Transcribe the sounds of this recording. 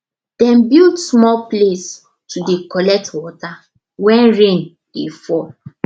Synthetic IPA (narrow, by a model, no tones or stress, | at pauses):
d̥ɛ̃nbildsmɔlples | tudekɔlɛk̚twɔta | wɛ̃nɹẽn | d̥efɔl